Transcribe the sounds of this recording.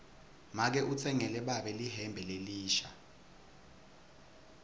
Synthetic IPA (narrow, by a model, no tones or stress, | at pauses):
mak̬ɛʔut͡sʰɛŋɛlɛɓaɓɛliɦɛmbʱɛleliːʃa̰